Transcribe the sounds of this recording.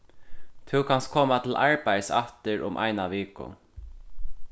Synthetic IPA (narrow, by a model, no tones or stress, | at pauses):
t̪ʰʊkʰanst̪̚kʰɔːmat̪ʰɪlʔaɹpajsa̰ft̪ɪɾʔʊ̰mʔa̰jnaʋɪːkʊ̰